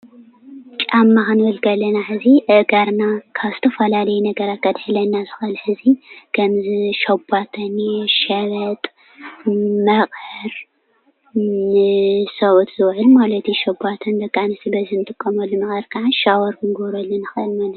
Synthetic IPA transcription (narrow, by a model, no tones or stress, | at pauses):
t͡ʃʼamːaxɨnwɔlkɐlɐnaħɨziʔɨʔɡaɾnakʰaβzɨt̪ʰɐfɐlalɐjunɐɡɐɾat̪̚kʰɐd̪ħɨlɐnːazɨxɨlħɨzikʰɐmziʃɐbat̪ʰɐnʃɐβɐt̪ʼ | mɐχʼhɨɾ | ɨsɐʔut̪zɨwʕɨlmalɐt̪jiʃɐbat̪ʰɐnd̪ɐkʼːanɨsɨbɐzinɨt̪ʼɨkʼːɐmɐlːunɨxɐɾkʰaʕaʃawɔɾkʰɨnɡoɾɐlːunɨxɨʔɨlmalɐt̪